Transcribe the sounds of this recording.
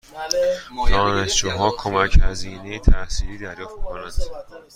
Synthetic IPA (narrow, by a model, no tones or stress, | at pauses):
d̪̥ɒːneʃd͡ʒuːɦɒːkʰomæchæziːnejet̪ʰæsiːliːd̪æɾjɒːft̪mikʰonænd̪̥